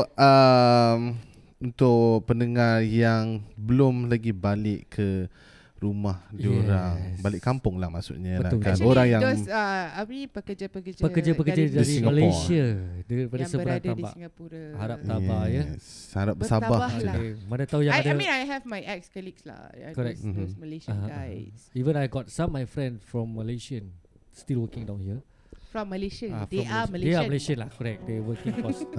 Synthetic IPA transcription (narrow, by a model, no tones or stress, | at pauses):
əm | unt̪ʊʔpənəŋarjaŋbəlʊmlaɡibalɪʔkʰə | ɾumahdioɾaŋbalɪʔkːampʊŋlahma̰ʔsṵʔɲalakanoɾaŋjaŋsaawipəkəd͡ʒapəkəd͡ʒpəkəd͡ʒapəkəd͡ʒadaiɾiiŋɡalesiadəɾipadassəbbəɾãt̪ãnba̰ʔiŋəpuɾəhaɾap̚sabajəaɾap̚bəsabahaokemanət̪aujãadəĩnajɦɛvmajʔɛkskɔliksla̰kɔɹɛk̚dosməleʃasivə̃najɡɔt̚sãmːajfɹɛ̃ndfɹɔ̃mːəleʃiə̃n | stilwəkɪ̃ŋdãw̃nhiə | fɹɔ̃mːəleʃəafdeɔaməldeaməleʃə̃nlahkɔɹɛk̚dɛwəkĩŋkɔs